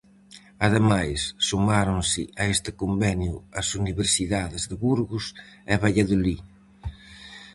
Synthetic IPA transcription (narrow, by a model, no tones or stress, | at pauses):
ɐðemajsːumaɾoŋsɪ̰ʔɐest̪ɪkombɛnjʊɐsuniβeɾsiðaðɪzðɪβuɾɣʊsɛβaʎaðoli